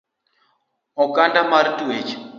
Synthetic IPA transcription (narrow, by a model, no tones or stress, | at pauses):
ɔkandamaɾitʼuet͡ʃ